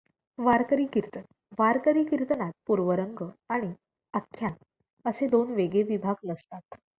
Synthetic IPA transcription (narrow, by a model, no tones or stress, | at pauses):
ʋaɾkəɾiːkiɾt̪ə | ʋaɾkəɾiːkiɾt̪ənat̪̚puɾʋəɾəŋɡəaɽ̃i | əkʰːjan | əsed̪onʋeɡeʋibʱaɡləst̪at̪